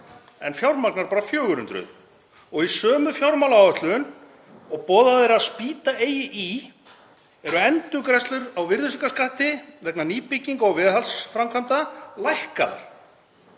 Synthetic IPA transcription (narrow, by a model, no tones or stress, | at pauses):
ɛ̰nfjawɾmaknaɾpaːɾafjœːɣʏɾʏnt̪ɾʏ̰ð | ɔɣisœːmʏfjawɾmawlaawœht̪lʏʏn | ɔɣpɔːðaðeɾaðspiːt̪aeːjɪʔi | ɛɾʏɛnt̪ʏkɾɛst̪lʏɾawvɪɾðʏsɪŋkaskaht̪ɪðɛhknaniːpɪcːiŋkɔɣvɪðhalsfɾamkʰant̪alajhkaða̰ɾ̥